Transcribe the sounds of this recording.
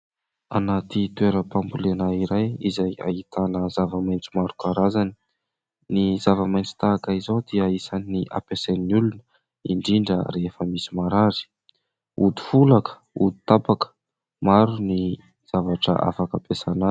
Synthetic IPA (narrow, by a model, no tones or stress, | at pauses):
a̰nat̪it̪weɾəpambulenaiɾajizaja̰it̪anəzavamajnt͡si̥maɾukaɾazani | niz̥avamajnt͡si̥t̪aːkaizowd̪iəisaniniʔa̰pesennulunə̥ | iɳɖ͡ʐiɳɖ͡ʐəɾefəmisimaɾaɾi̥ | ud̪u̥fulakə̥ | ud̪i̥t̪apakə̥ | maɾuni | z̥avaʈ͡ʂə̰ʔa̰fakapesana